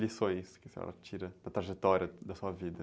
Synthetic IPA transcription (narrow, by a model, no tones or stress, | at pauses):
lisõj̃skɪseɔ̰lɐt͡ʃiɾɐnɐt̪ɾaʒet̪ɔɾjɐd̪ɐsuɐvid̪ɐ